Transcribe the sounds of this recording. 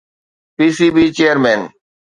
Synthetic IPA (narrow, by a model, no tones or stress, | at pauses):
piːsiːbiːt͡ʃeːəɾmeːn